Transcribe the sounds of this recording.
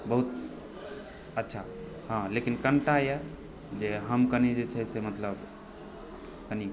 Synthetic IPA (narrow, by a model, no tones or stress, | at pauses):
bəɦut̪ | ətːʃʰa | ɦãlekinkəɳʈaje | d͡ʒeɦəmkənid͡ʒet͡ʃʰɛsemət̪ləb | kəni